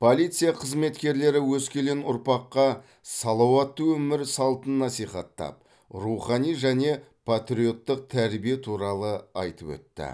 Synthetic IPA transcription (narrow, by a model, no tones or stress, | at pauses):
pʰo̞lˠijt̪sɨjaqʰəzme̞t̪kʲe̞ɾle̞ɾɪwɵskʲe̞lenʊɾpɑqːɑ | sɑlˠɑwɑt̪ːəwɵmɪɾsɑlˠt̪ənːɑsijχɑt̪ːɑ̰p̚ | ruχɑnijʒæne̞pʰat̪ɾʲio̞t̪ːəq̚t̪ʰæɾbijet̪ʰuɾɑlˠəɑ̰jt̪əpɵ̰t̪ːɪ̰